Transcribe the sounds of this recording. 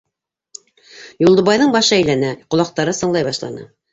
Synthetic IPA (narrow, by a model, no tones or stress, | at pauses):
julˠd̪ɤ̆βɑjðɤɴbɑʃɤæjlænæqŏlˠɑq̚t̪ɑɾɤsɤ̆ɴlˠɑjβɑʃlˠɑ̰nɤ̰